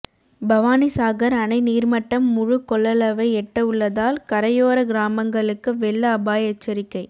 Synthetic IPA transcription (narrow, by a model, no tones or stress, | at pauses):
bɐʋaːnɪsaːɣɐɾɐnɐɪniːɾmɐʈːɐmːʊɻʊkɔɭːɐlɐʋɐɪɛʈːɐɯɭːɐðaːlkɐɾɐjoːɾɐɡɪɾaːmɐŋɡɐɭɯkːɯʋɛɭːɐːbaːjɐt͡ʃːɐɾɪkːɐɪ